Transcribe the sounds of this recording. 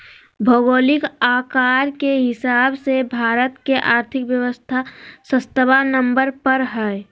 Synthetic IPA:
bʱoɡoːlɪkaːkaːɾkeɦɪsaːbsebʱaːɾət̪keʔaːɾt̪ʰɪkʋjəwəst̪ʰasə̃st̪əbanəmbəɾpəɾɦɛe

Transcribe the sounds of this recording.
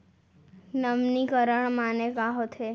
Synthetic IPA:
nəmnikəɾəɳ̃manekaɦot̪ʰe

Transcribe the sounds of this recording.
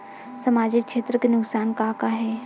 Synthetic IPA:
sɐmaːd͡ʒɪkʃeːt̪ɾəkenʊksaːnkaːkaɦɛː

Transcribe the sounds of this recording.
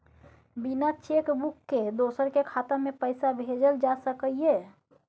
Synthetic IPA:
binat͡ʃekbukːed̪osəɾkekʰat̪amepəɪsabʱed͡ʒəld͡ʒasəkəije

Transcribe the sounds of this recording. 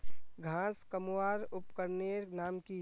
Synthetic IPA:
ɡʱãːskəmwaːɾʊpkəɾneɾnaːmki

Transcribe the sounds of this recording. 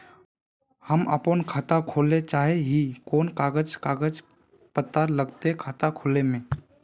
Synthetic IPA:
həməpənkʰaːt̪akʰoːlet͡ʃaːɦeɦikoːnkaːɡəd͡ʒkaːɡəd͡ʒ | pət̪ːaɾləɡt̪eɦkʰaːt̪akʰoːlemẽː

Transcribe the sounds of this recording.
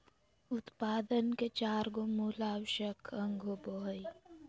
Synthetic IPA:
ʊt̪paːd̪ənket͡ʃaːɾɡomuːlaːwʃəkʰɐŋɡʱobɔɦi

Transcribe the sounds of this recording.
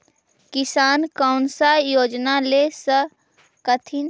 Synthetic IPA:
kɪsaːnkaʊnsajoːd͡ʒnalesə | kət̪ʰin

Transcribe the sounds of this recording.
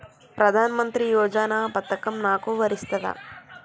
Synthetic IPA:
pɾɐd̪ʱaːnɐmɐnt̪ɾijɔːd͡ʒaːnaːpɐt̪ːɐkɐmnaːkuʋɐɾist̪ɐd̪ɐ̰

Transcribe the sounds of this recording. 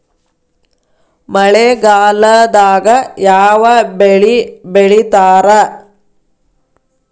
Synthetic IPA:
mɐɭeɡaːlɐd̪aːɡɐjaːʋɐbeɭibeɭit̪aːɾɐ

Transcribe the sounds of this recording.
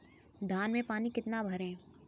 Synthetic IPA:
d̪ʱaːnmẽpaːnikɪt̪nabʱɐɾɦɛ̃ː

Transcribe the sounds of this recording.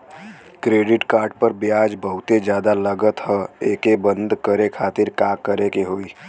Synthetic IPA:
kɾeːɖɪʈkaːɾɖ̚pəɾbjaːd͡ʒbəɦʊt̪ed͡ʒjaːd̪aləɡət̪ɦəeːkebə̃nd̪ʱkəɾekʰaːt̪ɪɾkaːkəɾekeɦoːi

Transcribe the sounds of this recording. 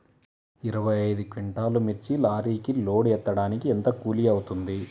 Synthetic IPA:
iɾɐʋɐjɐjd̪ukʋiɳʈaːlumiɾt͡ʃilaːɾiːkilo̞ːɽɛt̪ːɐɽaːnikient̪ɐkuːliɐwut̪und̪i

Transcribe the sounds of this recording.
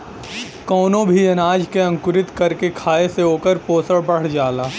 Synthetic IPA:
kɔːnõbʱiɐnaːd͡ʒkeɐ̃ŋkʊɾɪt̪kɐɾkekʰaːeseoːkəɾpoːsəɽbɐɽ̤d͡ʒaːlaː

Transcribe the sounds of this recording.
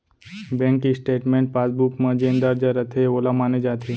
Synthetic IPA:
bẽŋkisʈeːʈmẽːɳʈ̚paːsbukmə̃d͡ʒẽnd̪əɾd͡ʒəɾət̪ʰeoːlamaned͡ʒat̪ʰe

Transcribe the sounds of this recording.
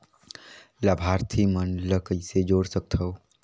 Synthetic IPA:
labʱaːɾt̪ʰimənləkəised͡ʒoːɽsək̚t̪ʰəw

